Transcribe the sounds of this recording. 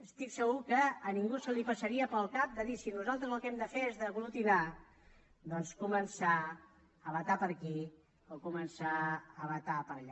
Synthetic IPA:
əst̪iksəɣukəːniŋɡusəlipəsəɾiəpəlˠkap̚d̪əðisinuzalˠt̪ɾəzəlˠkɛmd̪əfeezðəβulut̪ina | d̪ɔnskumənsa | əβət̪apəɾki | okumənsaəβət̪apəɾʎa

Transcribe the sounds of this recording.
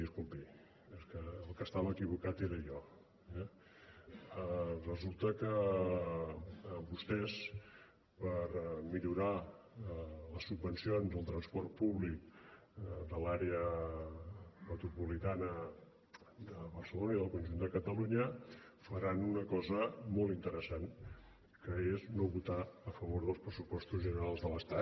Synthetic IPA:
iəskumpi | ɛskəːlˠkəst̪aβəːkiβukat̪eɾəjɔ | ɛ | ərəzulˠt̪əkə | mbust̪ɛs | pəɾmiʎuɾa | ləsːubːənsionzðəlˠt̪ɾənspɔɾt̪̚puβlik̚ | d̪əlaɾeə | mət̪ɾupulit̪anə | d̪əβərsəlonəiðəlˠkunʒund̪əkət̪əluɲəfəɾanunəkɔzəmolˠt̪int̪əɾəsan | kəeznoβut̪aəfəβoɾðəlˠspɾəsupɔst̪uzʒənəɾalˠzðələst̪a

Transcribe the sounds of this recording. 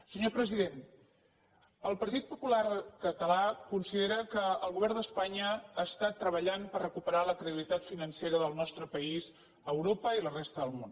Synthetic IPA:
səɲopɾəziðen | əlˠpəɾt̪it̪̚pupularkət̪əlakunsiðeɾəkəːlˠɣuβɛrnd̪əspaɲəaːst̪at̪ːɾəβəʎampərrəkupəɾaləkɾəðiβlit̪at̪finənseɾəðəlˠnɔst̪ɾəpəiz | əwɾopəilərɛst̪əðəlˠmon

